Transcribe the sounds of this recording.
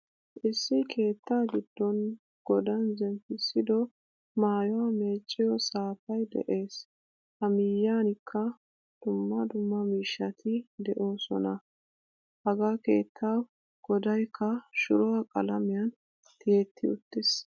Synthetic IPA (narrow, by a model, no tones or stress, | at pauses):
ʔɪsːɪkʰe̞ːt̪ːaːɡɪd̪̥ːɔn | ɡ̥ɔd̪ɐnzɛmpːɪsːɪd̪ɔ | maːjɔwɐme̞ːt͡ʃʼːɪjɔsaːfɐjd̪ɛ̰ʔe̞ːs | hɐmɪjːaːnɪkʰːɐ | d̪̥ʊmːɐd̪ʊmːɐmiːʃːɐt̪ʰɪd̪ɛʔo̞ːsɔ̰nɐ | hɐɡake̞̰ːt̪ʰːaːw | ɡ̥ɔd̪ɐjkʰːɐʃʊɾɔwɐkʼɐ̰lɐmɪjɐn | t̪ɪjɛt̪ʰːɪʊt̪ːɪs